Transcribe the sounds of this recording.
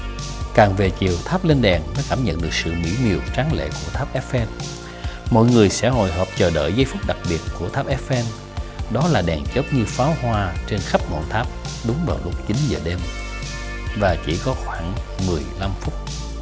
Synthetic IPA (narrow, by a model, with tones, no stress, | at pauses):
kaː˨˩ŋve˨˩t͡ɕi˨˩əwt̪ʰaː˦˥p̚le˧nɗɛ˨˩ŋməː˨˦jkaː˧˩mɲə̰˧˨nɗɨ˨˩ək̚sɨ̰˧˨mḭ˧˥mi˨˩əwt͡ɕaː˨˦ŋlḛ˧˨ku˧˩ət̪ʰaː˦˥p̚ʔɛ˦˥fʔɛ˧n | mɔ̰˧˨jŋɨ˨˩əjsɛ̰˧˥ɦo̰˧˨jɦəː˨˩p̚t͡ɕəː˨˩ɗə̰ː˧˨jzə˧jfʊ˦˥k͡p̚ɗa˨˩k̚ɓi˨˩ət̚ku˧˩ət̪ʰaː˦˥p̚ʔɛ˦˥fʔɛ˧n | ɗɔ˨˦laː˨˩ɗɛ˨˩ŋt͡ɕəː˦˥t̚ɲɨ˧faː˨˦wɦwaː˧t͡ɕe˧nxa˦˥p̚ŋo̰˧˨nt̪ʰaː˦˥p̚ɗʊ˨˦ŋ͡mvaː˨˩wlʊ˦˥k͡p̚t͡ɕï˨˦nzəː˨˩ɗe˧m | vaː˨˩t͡ɕi˧˩kɔ˨˦xwaː˧˩ŋ | mɨ˨˩əjla˧mfʊ˦˥k͡p̚